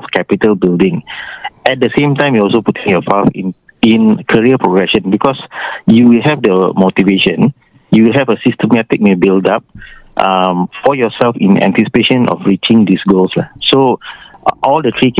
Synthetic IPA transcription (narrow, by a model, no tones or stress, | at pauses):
fkʰɛpitəlbildĩŋ | ɛt̚dəsẽmtãɪ̃mjɔɔls̬oputʰŋjɔpafn | ĩnkʰəɹiəpʰɹoɡɹɛʃə̃nbikʰɔsjuwilɦɛvdəmotiveʃə̃n | juwilɦɛvəsistəmɛtik̚mebildap̚ʔʌmfɔjɔsɛlfḭ̃nɛ̰̃ntisi̥peʃə̃nʔɔ̰fɹit͡ʃɪ̃ŋdisɡolslaso | ʔɔldətʰɹik